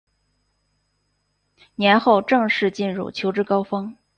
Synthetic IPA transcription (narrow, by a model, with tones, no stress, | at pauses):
njɛ˧˥nxo˥˧ʊʈ͡ʂɤ˥˧ŋʂɻ̩˥˧t͡ɕi˥˧nɻṵ˥˩t͡ɕʰjo˧˥ʊʈ͡ʂɻ̩˥kɑ˥ʊfɑ˥ŋ